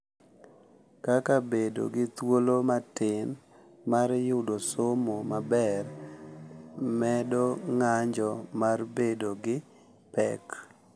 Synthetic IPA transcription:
kakabedo̰ɡɪt̪wolomatɪn | maɾjʊdosomomabɛr | mɛdoŋaɲd͡ʒɔmarbedoɡɪ | pɛ̰k

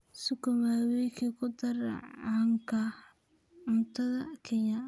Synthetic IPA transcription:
sʊkʰɔmaːwɛjkʰɛkʰʊd̪ɐr̰ʕaːŋkʰɐ | ʕʊnt̪ʰɐðɐkʰɛnɐ

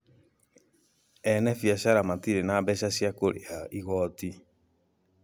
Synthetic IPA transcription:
ɛnɛfiaʃaɾamatiɾenabɛʃasjakoɾḛaiɣɔti

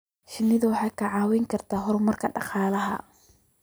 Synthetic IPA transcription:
ʃɪnːɪðʊwɑħɑːkʰɐʕɑːwɛjŋkʰɐrt̪ʰaːɦɔɾʊmɐrkʰɐɖɑ̰qɑːlɐɦɐ̰

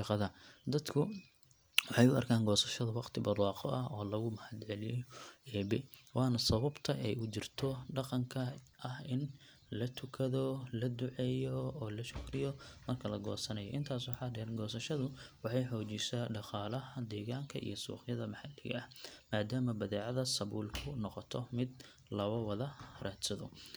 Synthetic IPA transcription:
ʃɑqɑðɐd̪ɐd̪kʰʊ | wɑħɑjʊɐ̰rkʰaːŋɡɔːsɐʃɐðɐwɑqt̪ʰɪbɐd̪wɑːqɔ̰ʔɐɦɔːlɐɣʊmɐħɑd̪ʕɛlɪjɔɛːbɛ̰wɑːnɐsɐβɐbt̪ʰɐʔɛjʊt͡ʃɪrt̪ʰɔɖɑqɑŋkʰɐʔɐhɪn | lɐt̪ʰʊkʰɐðɔlɐd̪ʊʕɛjɔɔːlɐʃʊkɾɪjɔmɐrkʰɐlɐɡɔ̰ːsɐnɐjɔ̰ʔɪnt̪ʰaːswħɑd̪ɛnɡɔːsɐʃɐðʊwɑħɑjħɔːt͡ʃisaːɖɑqɑːlɐɦɐd̪ɛːɣaːŋkʰɐʔḭjɔsṵːχjɐðɐmɑħɑd̪ɪɣɐ̰ɐhmaːd̪aːmɐbɐðɛːʕɑðɐsɐβuːlkʰʊnɔqɔt̪ʰɔmɪd̪ | lɐwɐwɐðɐraːd̪sɐðʊ̰

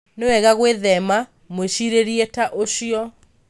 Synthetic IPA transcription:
newɛɣaɣweðɛma | mweɕiɾeɾietaʔoɕiɔ

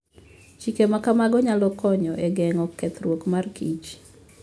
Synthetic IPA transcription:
t͡ʃikemakamaɡɔɲalɔkɔɲɔʔeɡɛŋɔkːɛt̪ɾwokmarkit͡ʃ

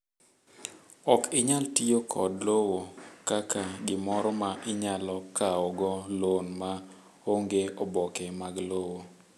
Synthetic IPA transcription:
ɔkɪɲaltijokʰɔdlowokakaɡɪmɔɾɔmaʔɪɲalɔkaɔɡɔlonma | oŋɡeɔbɔkɛmaɡlowo

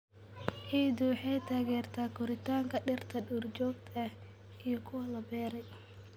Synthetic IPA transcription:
ħiːd̪uħɛjt̪ʰaːɣɛːrt̪ʰaːkʰʊɾɪt̪ʰaːŋkʰɐɖɪrt̪ʰɐɖurt͡ʃɔːɡ̚t̪ʰɐh | ʔijɔkʰʊwɐlɐbɛːɾɛj

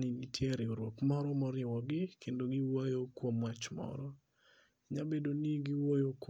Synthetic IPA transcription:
ninitʰjɛɾeoɾwokmɔɾɔmɔɾɪwɔɡɪkʰendoɡɪwajokwomwat͡ʃmɔ̰ɾɔ | ɲabedoniɡiwojok

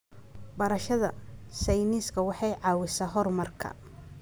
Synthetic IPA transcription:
bɐɾɐʃɐðɐ̰sɛjniːskʰɐwɑħɑjʕɑːwɪsaːɦɔrmɐrkʰɐ̰

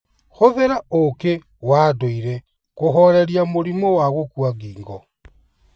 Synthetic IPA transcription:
xoðeɾaoke | waːdoiɾe | koxoɾeɾjamuɾimowaɣukuaɡiːŋɡo

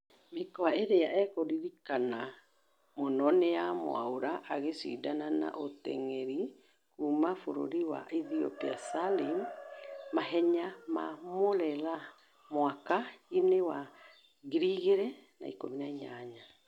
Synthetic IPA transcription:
mekɔaeɾeaʔɛkoɾiɾikana | monɔnejamo̰a̰oɾaʔːɣesḭːdanana̰ʔotɛ̰ŋɛɾi | kumafoɾo̰ɾiwa̰iðiɔ̰piasalim | maɦɛɲama̰molɛla | mwakainewa | ɡiɾiɣeɾɛna̰ikominaiɲaɲa

